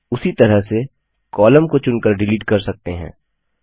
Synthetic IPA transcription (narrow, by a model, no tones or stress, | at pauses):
ʊsit̪ɐɾəɦse | kɔːləmkot͡ʃʊnkəɾɖɪliːʈ̚kɐɾsɐk̚t̪eɦɛ̰̃ː